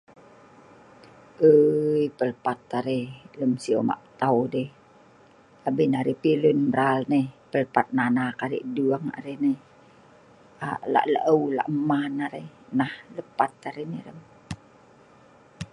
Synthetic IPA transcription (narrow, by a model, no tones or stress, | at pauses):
ʔəjpəlpat̪aɾeləmsio̰ma̰ʔt̪awde | abinaɾepilunməɾalnepəlpat̪̚nanakaɾḭʔduaŋa̰ɾenə | aʔla̰ʔlə̰ʔəwla̰ʔmahnaɾenahləpat̪aɾenələm